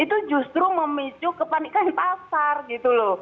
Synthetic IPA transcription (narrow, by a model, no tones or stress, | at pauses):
it̪ud͡ʒust̪ɾuməmit͡ʃukəpanikant̪asarɡit̪uloh